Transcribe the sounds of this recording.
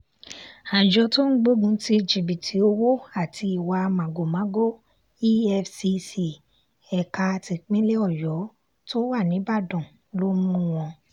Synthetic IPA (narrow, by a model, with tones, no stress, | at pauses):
ã˨d͡ʒɔ˧to˦n̩˦ɡ͡bo˦ɡũ˧ti˧d͡ʒi˨bi˨tʰi˨˦o˧wo˦a˦˨ti˧i˨wa˧mã˨ɡo˨mã˨˦ɡo˦ | i˦ɛ˦fsi˧si˧ | ɛ˨ka˧ti˧k͡pĩ˦le˦ɔ˦˨jɔ˨˦ | to˦wa˦˨nĩ˨˦ba˦˨dɔ̃˨ | lo˦mũ˦w̃ɔ̃˧